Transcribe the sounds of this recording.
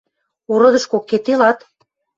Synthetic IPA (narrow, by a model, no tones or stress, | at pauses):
oɾɤ̆d̪ɤ̆ʃkokːet̪ːelɑt̪